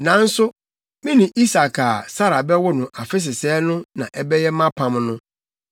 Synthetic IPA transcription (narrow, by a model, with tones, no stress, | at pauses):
nã˨n̩˦sʊ˦ | mɪ̃˦nĩ˨ʔi˦sa˨kʰa˨sa˦ɾa˨bɛ˦wʊ˦nʊ̃˨ʔa˨fɪ˦s̬ɪ˨sɛ˦nʊ̃˦nã˨ʔɛ˦bɛ˦jɛ˦mã˦pʰã˨mnʊ̃˦